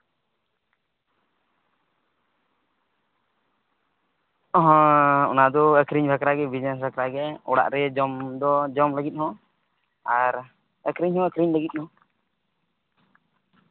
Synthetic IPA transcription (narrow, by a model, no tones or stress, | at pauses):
ɔɦɔ̃ɔ̰nad̪ɔəkɾiɲbʱakɾaɡɛbid͡ʒnɛs̬bʱakɾaɡɛɔɽa̰ʔɾɛd͡ʒɔmd̪ɔd͡ʒɔmləɡit̪̚ˀhɔ̃ | aɾ | əkɾiɲhɔ̃əkɾiɲləɡit̪̚hɔ̃